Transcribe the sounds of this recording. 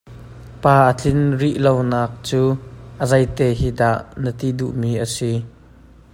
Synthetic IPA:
paːʔət͡ɬʰɪnriʔlownaːk̚t͡suːʔəzɐjt̪eːɦiːd̪aʔnət̪iduʔmiːʔəsi

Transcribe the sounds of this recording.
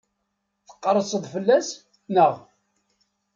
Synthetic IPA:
θə̥qːəɾˤːəsəðˤfəlːæs | nəʁ

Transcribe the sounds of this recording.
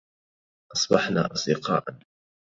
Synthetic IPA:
ʔɑsˤbɑħna̰ːʔɑsˤd̪ɪqɑ̰ːʔan

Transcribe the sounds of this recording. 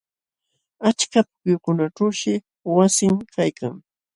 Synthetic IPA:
at͡ʃkapʊ̥kʊjkʊnaʈ͡ʂawʃɪ | wasɪŋkʰajka̰ŋ

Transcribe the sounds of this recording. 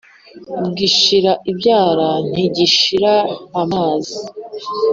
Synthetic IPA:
uɡiʃiɾaʔibjaːɾan̥hiɟiʃiɾaːmaːzi

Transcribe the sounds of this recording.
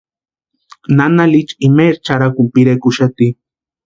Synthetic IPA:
nanalit͡ʃimeɾt͡ʃaɾakumpiɾekuʃat̪i

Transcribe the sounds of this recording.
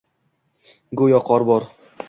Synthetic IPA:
ɡojɒqʰɒɾbɒɾ

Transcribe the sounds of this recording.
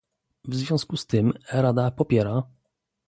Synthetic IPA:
vzvʲjɔ̃skust̪ɘmɾad̪apɔpʲjɛɾa

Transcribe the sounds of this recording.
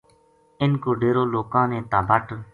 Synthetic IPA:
ɪnkoːɖeːɾoːloːkãːnẽːt̪ãːbəʈ

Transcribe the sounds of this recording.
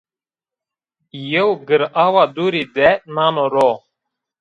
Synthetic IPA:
jəwɡɨɾawad̪uɾid̪ɛnanɔɾɔ

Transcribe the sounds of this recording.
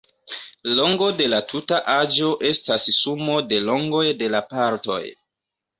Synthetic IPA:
lo̞ŋɡo̞de̞latʰutaʔad͡ʒo̞ʔe̞stassumo̞de̞lo̞ŋɡo̞jde̞lapaɾto̞̰j

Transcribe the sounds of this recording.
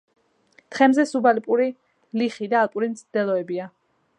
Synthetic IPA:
t̪χɛmzɛsubalpʼuɾi | liχid̪aːlˠpʼuɾimt̪sʰd̪ɛlˠɔɛbia

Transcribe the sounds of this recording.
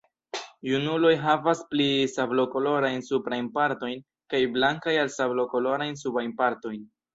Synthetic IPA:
junulo̞jɦavasplisablo̞ko̞lo̞ɾajnsupɾajnpaɾto̞jn | kajblaŋkajalsablo̞ko̞lo̞ɾajns̬ubajnpaɾto̞jn

